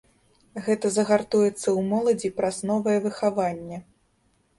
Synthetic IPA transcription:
ɣɛt̪ɐzɐɣart̪ujɛt̪sːɐwmɔlˠɐd͡zʲipɾaznɔvɐjɛvɨxavanʲːɛ

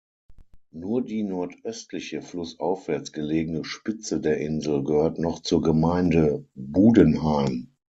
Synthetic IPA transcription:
nuːɐdiːnɔɐtʔœstlɪçəflʊsʔaʊfv̥ɛɐt͡sɡ̥əleːɡənəʃpɪt͡sədeːɐʔɪnzl̩ɡəhøːɐtnɔχt͡suːɐɡəmaɪndəbuːdənhaɪm

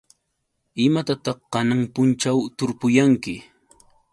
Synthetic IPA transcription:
ɪmat̪at̪ɑχːɑnaŋpʊnt͡ʃawt̪ʊɾpʊjaŋkɪ

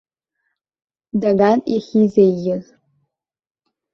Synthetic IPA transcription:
daɡaniχʲizejːɪz

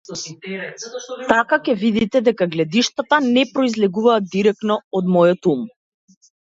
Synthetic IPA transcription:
t̪akakʲɛvid̪it̪ɛd̪ɛkaɡlɛd̪iʃt̪at̪anɛpɾɔizlɛɡuvaːd̪̚d̪ːiɾɛk̚t̪nɔɔd̪mɔjɔt̪um

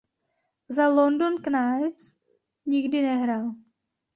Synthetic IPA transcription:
zalondonknajt͡s | ɲɪɡdɪnɛɦɾaːl

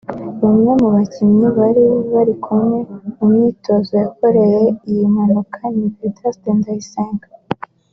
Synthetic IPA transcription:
βamŋe̞muβacimɲiβaɾioβaɾikʰumŋe̞umŋiːto̞zojako̞ɾe̞jeijimanokʰanipitasteːndajiseːŋɡa

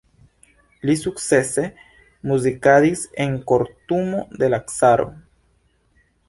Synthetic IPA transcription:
lisuk̚t͡se̞se̞ | muzikadiseŋko̞ɾt̪umo̞d̪e̞laksaɾo̞̰

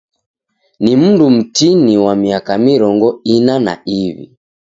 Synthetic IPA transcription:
nim̩ndum̩tiniwamiakamiɾɔŋɡɔinana̰iβḭ

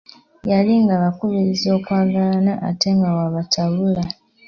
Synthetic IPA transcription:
jaliŋɡaβakuβiɾizoːkwaːɡalanaʔa̰teŋɡawaβatʰaβula

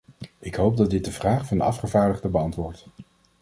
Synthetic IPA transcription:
ɪkɦowp̚dɑdɪt̚dəvraːχfɑndəɑ̰fχəvaːɹdəχdəbəɑntʋʊːɹt

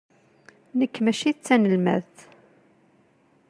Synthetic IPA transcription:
nəkːmæʃit͡sːænəlmæ̰ðθ

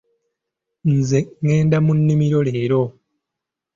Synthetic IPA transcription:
n̩zeŋːe̞ːndamunːimiɾo̞le̞ːɾo̞

